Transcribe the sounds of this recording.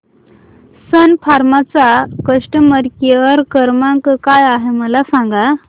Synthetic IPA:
sənfʰaɾmat͡sakəʂʈəməɾkeəɾkəɾmãŋkkajaɦeməlasãŋɡa

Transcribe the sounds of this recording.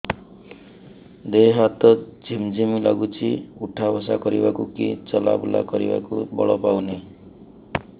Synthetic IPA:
d̪eɦat̪ɔd͡ʒʱimd͡ʒimila̰ɡut͡ʃʰiuʈʰabʱɔsakɔɾibakukit͡ʃɔla̰bula̰kɔɾḭba̰kubɔɭɔpawne

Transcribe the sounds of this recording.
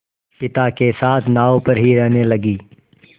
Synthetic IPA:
pɪt̪aːkeːsaːt̪ʰnaːoːpəɾɦiɾɛɦneːləɡiː

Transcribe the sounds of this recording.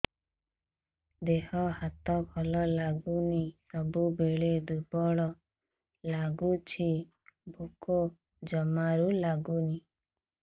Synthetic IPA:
d̪ehɔhat̪ɔbʰʱɔlɔlaɡunisɔbubeɭed̪ubɔɭɔ | laɡut͡ʃʰi | bʱuko | d͡ʒɔmaɾulaɡuni

